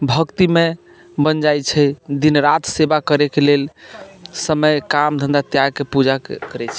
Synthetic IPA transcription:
bʱəkt̪ime | bənd͡ʒajt͡ʃʰɛd̪inɾat̪ʰsebakəɾekelel | səməjkamd̪ʱə̃nd̪at̪jaɡkepud͡ʒakəɾɛt͡ʃʰɛ̥

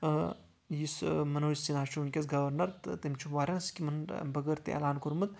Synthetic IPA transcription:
jismɐnoːsinaːʃunʲkʲɐsɡɐʋɐɾnɐɾtt̪emt͡ʃʰumʋaːɾʲanskʲimɐnbɐɡɐɾt̪ḛɐ̰laːnkuɾmɨt̪̚

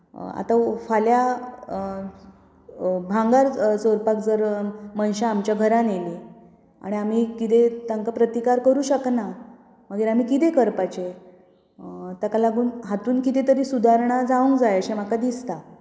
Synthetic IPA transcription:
a̰t̪afalja | bʱãŋɡaɾsoɾpakd͡zəɾmənɕaːmt͡ɕjaɡʱəɾaneli | a̰ɽ̃iam̤iːkit̪et̪aŋkapɾət̪ikaɾkəɾuːɕəkna | m̤əɡiːɾam̤iːkit̪ekəɾpat͡ɕe | t̪akalaɡuːnɦat̪uːnkit̪et̪əɾiːsud̪aɾɳ̃ad͡zaũŋkd͡zajəɕem̤akad̪ist̪a

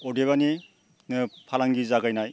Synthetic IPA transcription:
ɔdeβani | nɯpʰalaŋɡizaɡajnaj

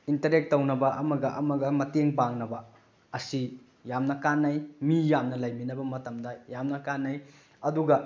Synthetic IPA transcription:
intɐɾek̚tːɐwnɐbɐʔɐmɐɡɐʔɐmɐɡɐmɐteŋbaŋnɐbɐ | ɐsi | jamnɐkanːɐjmijamnɐlɐjminɐbɐmɐtɐmdɐjamnɐkanːɐj | ɐduɡɐ

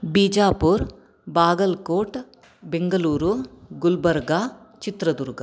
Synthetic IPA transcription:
biːd͡ʒaːpuːɾ | baːɡɐlkoːʈ | beŋɡɐluːɾuɡulbɐɾɡaː | t͡ʃit̪ɾɐd̪uɾɡɐ

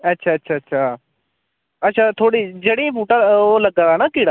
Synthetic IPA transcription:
ətːʃʰaːətːʃʰaːətːʃʰaː | ətːʃʰaːt̪ʰoːɽiːd͡ʒeɽẽːpuːʈaːoːləɡadaːnaːkɪːɽaː

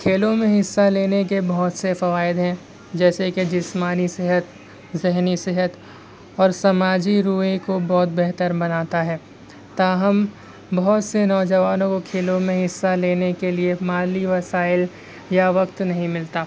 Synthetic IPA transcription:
kʰeːlõmẽɦɪsːaleːnek̬ebɔɦt̪sefɐʋaːɪd̪ɦɛ̃ | d͡ʒɛːseked͡ʒɪsmaːnisɪɦət̪ | zɪɦnisɪɦət̪ | ɔːɾsɐmaːd͡ʒiɾuːɦẽkobɔːt̪̚bɛɦt̪əɾbɐnaːt̪aɦɛː | t̪aːɦəm | bɔɦt̪senɔːd͡ʒɐʋaːnõkokʰeːlõmẽɦɪsːaleːnekeliemaːliʋɐsaːɪl | jaʋɐkt̪nɐɦĩmɪlt̪aː

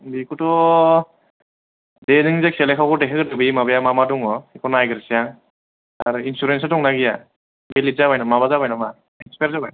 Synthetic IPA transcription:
bikʰutɔ | denɯŋzak̚sɛlɛkʰawkɔdɛkʰeɡɯdɯbimabajamamatuŋɔikʰɔnajɡɾsijaŋ | aaɾinsuɾensatɔŋnaɡija | belizaβajnamabazabajnama | inspeɾzabaj

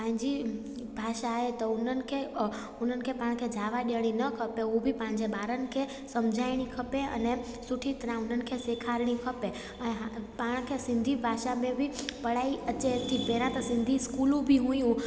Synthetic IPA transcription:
pãɦɪ̃ɲd͡ʑi | bʱaːʃaɦet̪ɐʊnənɪ̆kʰe | ʊn̤ənɪkʰepaːɽ̃kʰed͡ʒʱaːʋaɗiəɽ̃inɐkʰɐpeubʱɪpãɦɪ̃ɲd͡ʑeɓaːɾənɪ̆kʰe | sɐmd͡ʑʱaːɪɽ̃ikʰɐpeʔɐ̰ne | sʊʈʰit̪əɾãʊn̤ənɪ̆kʰeseːkʰaːɾɽ̃ikʰɐpe | əɦpaːɽ̃kʰesɪ̃nd̪ʱibʱaːʃamẽbɪpɐɽ̤aːiʔət͡ɕet̪ʰipeːɾãt̪ɐsɪ̃nd̪ʱiskuːlũbʱiɦujũ

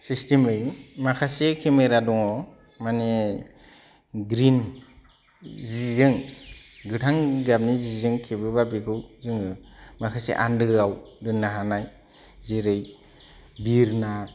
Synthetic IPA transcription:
sistemɯjmakʰasekʰemeɾadɔŋɔ | mane | ɡɾin | zizɯŋɡɯtʰaŋɡab̚nizizɯŋkʰebɯbabikʰɯwzɯŋɯmakʰasḛʔa̰ndɯawdɯnːaɦanaj | ziɾɯj | biɾna

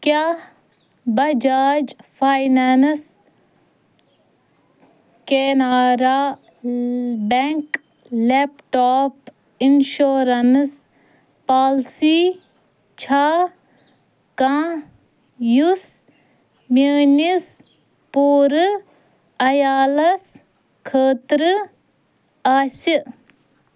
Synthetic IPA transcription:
kaː | bɐd͡ʒaːd͡ʒpʰaːjnans | keːnaːɾaː | beŋk | lepʈoːp | inʃoːɾɐns | paːlsiː | t͡ʃʰaː | kãː | jus | meːnis | puːɾɨ | ɐjaːlɐs | kʰəːt̪ɾɨ | aːsɨ

